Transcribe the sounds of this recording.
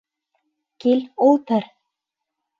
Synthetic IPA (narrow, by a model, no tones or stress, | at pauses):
cɪlowt̪aɾ̥